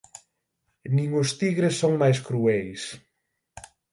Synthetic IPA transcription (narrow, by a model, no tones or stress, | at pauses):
nĩŋʊst̪iɣɾesːoŋmajskɾuɛjs